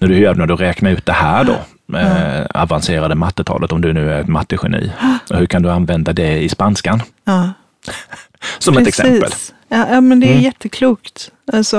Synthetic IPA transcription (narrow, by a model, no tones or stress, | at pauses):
næɖɵjœːɖɛnæɖɵɾɛːknaɾʉ̟ːt̪̚d̪ɛhæːɖɔ̰ | a̰vanseːɾad̪əmat̪ːət̪ʰɑ̰ːlʔət̪ɔmd̪ɵnʉ̟ːæɾɛt̪mat̪ːəɧɛ̰nḭːɔhɵkʰand̪ɵanvɛnd̪ad̪ɛɪspanskan | ɑː | sɔmɛt̪ɛksɛ̰mːpə̰l | ɑːjɑːmɛnd̪ɛæjɛt̪ʰːəkʰluːkt̪ | alsɔ